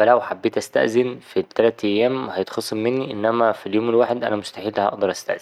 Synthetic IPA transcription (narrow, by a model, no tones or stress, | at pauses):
ælæwħabːeːt̪ʔæst̪æ̰ʔzɪnfit̪ːælæːt̪ʔjːæːmhæjet̪xɑsˤːɑmːɪnːiʔɪnːæmæfiljoːmelwaːħed̪ʔæ̰næmʊst̪aħiːlːæhʔɑ̰ʔd̪ɑɾˤʔæst̪æ̰ʔz